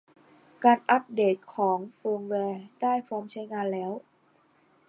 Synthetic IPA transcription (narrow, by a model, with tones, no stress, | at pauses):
kaː˧nʔa˦˥p̚deː˨˩t̪̚kʰɔː˩˦ŋfɤː˧ŋwɛː˧d̥aː˥˩jfɔː˧˥mt͡ɕʰa˦˥jŋaː˧nlɛː˦˥w